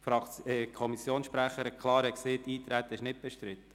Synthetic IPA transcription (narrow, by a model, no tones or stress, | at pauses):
fɑəkʰɔmisjoːnsʃpɾæχəɾɛkʰlˠɑːɾɛkseːtːiːt̪ɾæt̪ɪʃnɪt̚b̥ɛʃtɾɪt̪ə̥